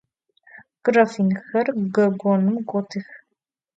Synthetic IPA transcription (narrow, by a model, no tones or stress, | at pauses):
kɨrɐfinxɐrɡɐɡʷɔnɨmɡʷʼɔtʰix